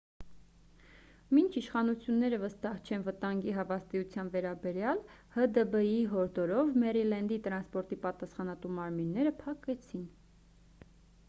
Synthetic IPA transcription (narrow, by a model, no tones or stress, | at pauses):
mint͡ʃʰiʃχɑnut͡sʰjunːɛɾəvəst̪ɑht͡ʃʰɛnvət̪ɑŋɡiɦɑvɑst̪iut͡sʰjɑnvɛɾɑbɛɾjɑl | həd̪əbəjiɦɔɾd̪ɔɾɔvmɛɾilɛnd̪it̪əɾɑnspɔɾt̪ipɑt̪ɑsχɑnɑt̪umɑɾminːɛɾəpʰɑkɛt͡sʰin